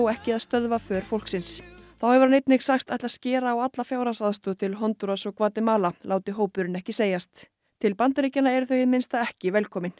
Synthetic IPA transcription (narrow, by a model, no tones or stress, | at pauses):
wɛhcɪaðst̪œðvafœːɾ̥fowl̥ksɪnsθawhɛvʏɾanejt̪nɪxsaxst̪ajht̪lascɛːɾaːwat̪lafjaːwɾasaðst̪ʏt̪ʰɪlɦɔnt̪uɾasɔɣkʰvaːt̪ɪmaːlalaːwt̪ɪɦoːwpʏɾɪnɛhcɪseːjast̪ʰː | ɪlpant̪ɾiːcanaɛɾʏθœɥmɪnst̪aɛhcɪvɛlkʰɔːmɪn